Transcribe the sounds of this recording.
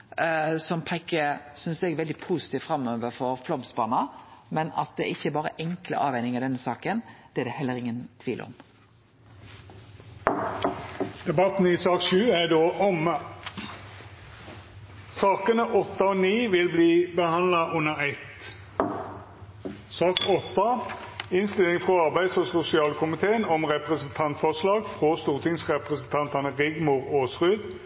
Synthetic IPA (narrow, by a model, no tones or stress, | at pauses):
sɔmpʰɛkːəsʏnsɛɡɛʋɛld̪ɪpʰuːsɪ̥t̪iːʋfɾɑmːøːʋəɾfɔɾflɔmsbɑnɑmɛnɑ̰t̪̚d̪ɛɛ̰ɾɪçːəbɑːɾə̰ʔɛŋklə̰ʔɑ̰ːʋhɛɪnɪŋɑʋd̪ɛnːəsɑːkənd̪̥ɛɛd̪ɛhɛlːəɾɪŋːənt̪ʰʋḭːlə̰ɔ̰m | d̪̥ɛbɑt̪n̩isɑːkʃʉːæɖoːʔɔmə | sɑːkənəʔɔt̪ːɑoːniːʋɪlbliːbəhɑnlɑʔʉnːəʁɛt̪ | sɑːkɔt̪ːɑɪnslɪlɪŋfʁɔɑʁbæɪd̪sɔsʊsɪɑːlkʊmɪt̪ʰeːənɔmʁɛpʁəsnt̪ʰɑnt̪fɔʁslɑːɡfʁost̪uːʁt̪ʰɪŋsʁɛpʁəsn̩t̪ʰɑnt̪ɑnəʁɪɡmʊʁoːsʁʉːd̪